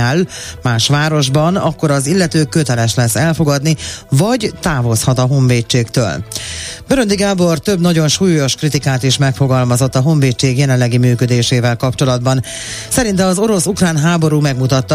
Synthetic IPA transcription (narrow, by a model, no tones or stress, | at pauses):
aːlmaːʃʋaːɾo̞ʒbɒnɒkːo̞ɾɒzilːɛt̪øːkøt̪ɛlɛʃlɛsːɛlfo̞ɡɒd̪nivɒɟt̪aːvo̞shɒt̪ɒɦo̞ɱveːt͡ʃːeːkt̪ø̰ːlb̥øɾønd̪iɡaːbo̞rt̪øbnɒɟo̞nʃuːjo̞ʃkrit̪ikaːt̪iʃmɛkfo̞ɡɒlmɒzo̞t̪ːɒɦo̞ɱveːt͡ʃːeːkjɛlɛnlɛɡimyːkø̞d̪eːʃeːvɛlkɒpt͡ʃo̞lɒd̪bɒn | sɛɾint̪ɛmɒzo̞ɾo̞sukraːnɦaːbo̞ɾuːmɛɡmut̪ɒt̪ːɒ